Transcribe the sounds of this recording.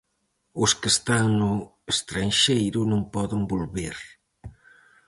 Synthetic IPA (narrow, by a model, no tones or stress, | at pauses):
ʊskest̪aŋnʊ | est̪ɾanʃejɾʊnõŋpɔðɪŋbolβeɾ